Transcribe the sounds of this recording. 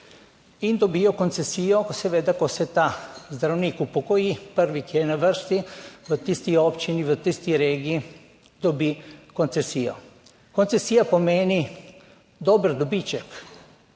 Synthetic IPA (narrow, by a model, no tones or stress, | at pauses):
ind̪obiokont̪sesiokosɛved̪akosɛt̪azd̪ɾavnikupokoipəɾʋikiɛnavəɾst̪ivət̪ist̪iopt͡ʃinivət̪ist̪iɾɛɡi | d̪obikont̪sesio̰ | kont̪sesiapomɛni | d̪obɾd̪obit͡ʃɛk